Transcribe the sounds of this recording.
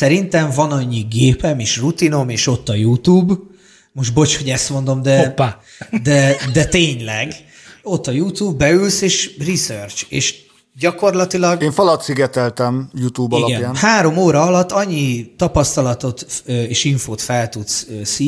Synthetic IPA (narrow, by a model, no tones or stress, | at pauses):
sɛɾint̪ɛɱvɒnɒɲːiɡeːpɛmeːʃrut̪ino̞meːʃo̞t̪ːɒjuːt̪uːb | mo̞ʃʒbo̞t͡ʃho̞ɟɛst̪mo̞nd̪o̞md̪ɛpːaː | d̪ɛd̪ɛt̪eːɲlɛɡ | o̞t̪ːɒjuːt̪uːbːɛylseːʃrisørt͡ʃḛːʃ | ɟɒko̞rlɒt̪ilɒɡeːɱfɒlɒt̪siɡɛt̪ɛlt̪ɛmjuːt̪uːbɒilɒɡɛnjanhaːɾo̞moːɾɒɒlɒt̪ːɒɲːit̪ɒpɒst̪ɒlɒt̪o̞t̪øeːʃiɱfoːt̪fɛlt̪ut̪søːsiː